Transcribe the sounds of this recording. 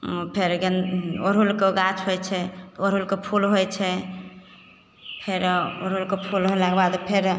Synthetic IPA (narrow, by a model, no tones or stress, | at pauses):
pʰeɾɡenoɾɦulkeɡat͡ʃʰɦojt͡ʃʰeoɾɦulkepʰulɦojt͡ʃʰe | pʰeɾoɾulkepʰulɦojlaɡbad̪opʰeɾ